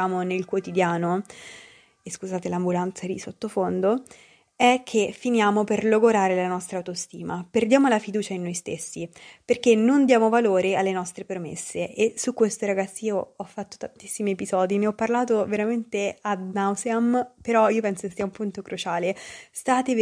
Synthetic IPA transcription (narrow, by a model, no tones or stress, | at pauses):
aːmonelkwot̪id̪jaːno | eskuzaːt̪elambulant̪sad̪isot̪ːofond̪o | ɛkʰːefːinjaːmoperloɡoɾaːɾelanɔst̪ɾaːwt̪ost̪ḭːmaperd̪jaːmolafid̪uːt͡ʃainːojst̪esːiperkenːond̪jaːmovaloːɾealːenɔst̪ɾepɾomḛsːeʔesukːwest̪oɾaɡat̪sːiiːoɔfːat̪ːo̥t̪ant̪i̥sːimiepizɔːd̪ineɔpːarlaːt̪oveɾament̪ead̪nawzeampeɾɔiːop̬ɛnsokesːiːaumpunt̪okɾut͡ʃaːlest̪aːt̪e